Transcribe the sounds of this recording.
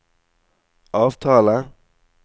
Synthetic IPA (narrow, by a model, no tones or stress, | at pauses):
ʔɑːʋt̪ʰɑːlə